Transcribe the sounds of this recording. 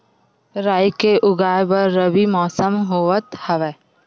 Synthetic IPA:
ɾaːjkeʔʊɡaːjbɐɾːɐbimɔːsəmɦoːʋət̪hɐʋɛː

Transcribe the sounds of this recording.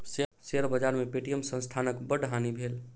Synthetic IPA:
sseɾbəd͡ʒaɾmepeʈijəmsə̃nst̪ʰanəkbəɖɦanibʱel

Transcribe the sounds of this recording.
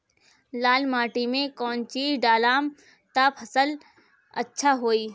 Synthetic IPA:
laːlmaːʈimẽkɔːnt͡ʃiːɖaːlaːm | t̪apʰɐsəl | ɐtːʃʰaɦoːiː

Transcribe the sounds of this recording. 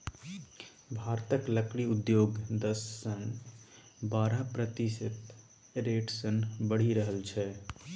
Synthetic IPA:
bʱaɾt̪əkləkɽiud̪joɡd̪əsːən | baɾəpɾət̪isət̪ | ɾeʈsənbəɽ̤iɾəɦəlt͡ʃʰɛ

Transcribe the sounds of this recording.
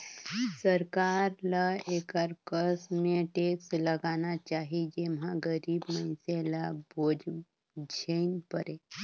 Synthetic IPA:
səɾkaːɾləeːkəɾkəsmẽʈeːksləɡaːnat͡ʃaːɦid͡ʒemɦãɡəɾiːbməɪseləboːd͡ʒ | d͡ʒʱenpəɾeː

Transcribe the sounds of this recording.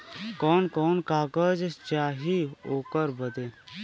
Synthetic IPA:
kɔːnkɔːnkaːkəd͡ʒt͡ʃaːɦioːkəɾbəd̪eː

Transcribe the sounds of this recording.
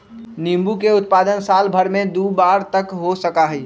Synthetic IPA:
nĩmbukeʊt̪̚paːd̪ənsaːlbʱəɾmẽd̪uːbaːɾt̪əkɦosəkaɦɛː

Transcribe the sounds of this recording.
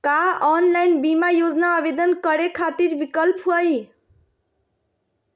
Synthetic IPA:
kaɔnlajnbimajod͡znaːbed̪ʌnkʌɾekʰat̪iɾbikʌlpɦuʌj

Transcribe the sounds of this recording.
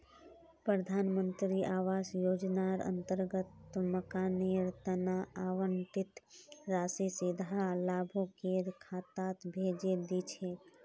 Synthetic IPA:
pɾəd̪ʱaːnmənt̪ɾiʔaːʋaːsjoːd͡ʒnaɾə̰̃nt̪əɾɡət̪məkaːniɾt̪ənaaːʋənt̪ɪt̪ɾaːsisɪd̪ʱalaːbʱukeɾkʰaːt̪aːt̪bʱeːd͡ʒed̪it͡ʃʰeː

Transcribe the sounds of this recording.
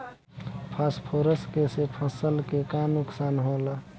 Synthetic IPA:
pʰaspʰoɾəskesepʰəsəlkekanʊksaːnɦola

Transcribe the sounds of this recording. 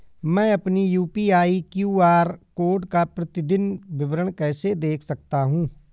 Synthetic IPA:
mɛ̃ːɐpnijuːpiaːikjuːaːɾkoːɖkapɾət̪ɪd̪ɪnʋɪʋɾəɳ̃kɛːsed̪eːkʰsɐk̚t̪aɦũː

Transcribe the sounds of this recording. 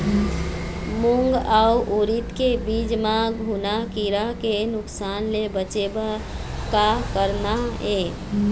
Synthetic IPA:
mʊŋɡauʔuɾit̪kebiːd͡ʒmaɡʱunakiɾakenʊksaːnlebət͡ʃeba | kakəɾnaeː

